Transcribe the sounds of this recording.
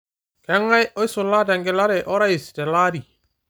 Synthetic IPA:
kɛŋajojsulːataŋɡɛlaɾɛʔɔɾaistɛlaɾi

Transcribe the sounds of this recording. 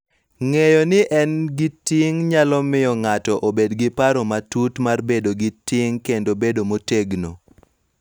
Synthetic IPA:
ŋejɔnɪʔɛnɡɪtɪŋɲalɔmɪjɔŋatɔʔobedɡɪpaɾomatutmarbedoɡɪtɪŋkendobedomoteɡno̰

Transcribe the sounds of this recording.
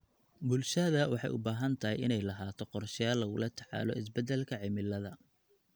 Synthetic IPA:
bʊlʃɐðɐwɑħɑ̰jʔʊbaːɦɐnt̪ʰɐɦɛjɪnɛjlɐɦaːt̪ʰɔqɔrʃɪjaːlːɐɣʊlɐt̪ʰɑ̥ʕɑ̰ːlɔ̰ɪs̬bɛd̪ɛlkʰɐʕɪmɪlːɐðɐ

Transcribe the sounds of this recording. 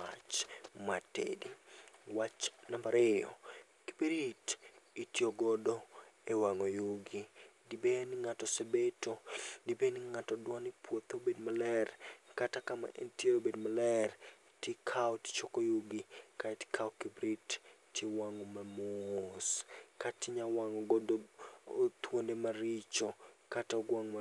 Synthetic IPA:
a̰t͡ʃmatḛdiwat͡ʃnambaɾɪjɔ̰ | ki̥bɾititjoɡɔdoewaŋojuɡidibenɪŋatɔsebetodibenɪŋatɔdwanipwot̪obedmalɛrkatakama̰ʔɛ̰ntieɾobedmalɛr | tekʰaɔtt͡ʃokojuɡikati̥kʰaɔkibɾittʰːjewaŋɔmamoskatɪɲawaŋɔɡɔdo | t̪wondemaɾit͡ʃokataɡwaŋma

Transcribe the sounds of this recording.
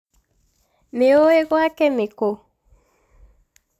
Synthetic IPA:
meoeɣwakɛmeko

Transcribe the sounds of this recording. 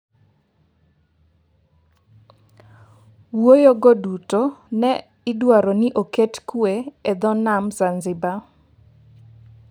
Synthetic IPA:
wojoɡodutonɛ | ɪdwaɾɔnɪʔoketkweɛd̪ɔnamzanzɪba

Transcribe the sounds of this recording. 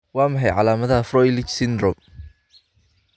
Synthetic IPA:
wɑːmɐħɛjʕɑ̰laːmɐðɐɦɐfrɔjlɪt͡ʃsɪnd̪rɔm

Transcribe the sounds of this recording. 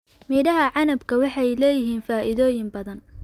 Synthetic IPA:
miːdɐɦɐʕɑnɐbkʰɐwɑħɑjlɛːjɪɦiːnfaːʔɪðɔːjɪmbɐðɐn

